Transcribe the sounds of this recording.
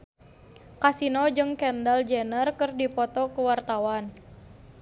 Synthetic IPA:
kasinɔd͡ʒɨŋkɛndald͡ʒɛnərkɨrdipɔt̪ɔkuwart̪awan

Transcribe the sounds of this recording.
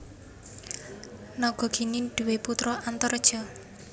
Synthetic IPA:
nɔɡ̥ɔ̤ɡ̥i̤niɖ̪̥ṳweput̪ɾɔʔant̪ɔɾd̥ʒ̥ɔ̤

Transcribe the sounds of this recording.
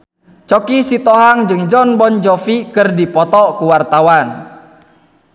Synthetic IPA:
t͡ʃɔkisit̪ɔɦaŋd͡ʒɨŋd͡ʒɔnbɔnd͡ʒɔfikɨrdipɔt̪ɔkuwart̪awan

